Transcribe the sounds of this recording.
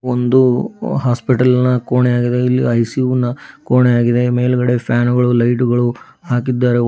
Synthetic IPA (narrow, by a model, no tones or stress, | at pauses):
ond̪uɦaːspiʈɐlnɐkoːɳejaːɡid̪e̞ilːḭɐjsiʋunːɐkoːɳejaːɡid̪e̞me̞ːluɡɐɽe̞pʰjaːnuɡɐɭulɐjʈuɡɐɭu | haːk̬id̪ːaːɾe